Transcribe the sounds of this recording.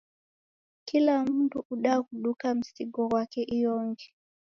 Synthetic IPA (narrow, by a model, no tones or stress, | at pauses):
kilam̩ntuʔuɗakuɗukam̩siɡɔɣwakɛʔijɔŋɡɛ